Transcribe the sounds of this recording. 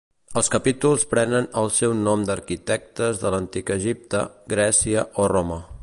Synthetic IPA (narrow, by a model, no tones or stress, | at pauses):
əlˠskəpit̪ulˠspɾɛnənəlˠsɛwnɔmd̪əɾkit̪ɛk̚t̪əzðələnt̪ikəʒip̚t̪ə̰ɡɾɛsiəʔoromə